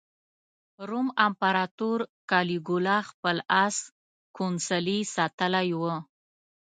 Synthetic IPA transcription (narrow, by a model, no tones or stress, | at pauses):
ɾumampaɾɑt̪uɾkɑliɡulɑxpəlas | kʰonsəlisɑt̪əlajwə